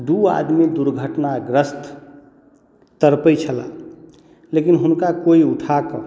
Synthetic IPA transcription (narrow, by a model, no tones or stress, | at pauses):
d̪ua̰d̪mid̪uɾɡʱəʈnaɡɾəst̪ʰ | t̪əɾpəjt͡ʃʰəla | lekinɦunkakoiuʈʰakɔ̃